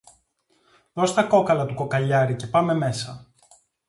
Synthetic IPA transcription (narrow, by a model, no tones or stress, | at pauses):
ðo̞st̪ɐko̞kɐlɐt̪uko̞kɐʎɐɾice̞pɐme̞me̞sɐ